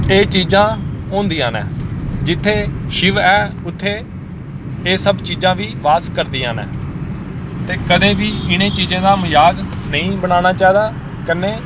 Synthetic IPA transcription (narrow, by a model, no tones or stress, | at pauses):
eːt͡ʃiːzãːõːnd̪iːãːnɛ̰̃ːd͡ʒɪt̪ʰːeːʃɪʋɛːʊt̪ʰːeː | eːsəbt͡ʃiːzãːʋiːʋaːskəɾd̪iːãːnɛ̰ː | t̪eːkəd̪ẽːʋiːɪñẽːt͡ʃiːzẽːd̪aːmʊjaːɡ | nəĩːbəɽ̃aːñaːt͡ʃaːid̪aː | kəneː